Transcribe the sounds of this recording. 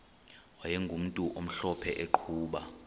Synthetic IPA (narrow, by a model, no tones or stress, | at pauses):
wajɛŋɡʱum̩tʼuʔom̩ɬɔpʰɛʔeǃʰuːɓa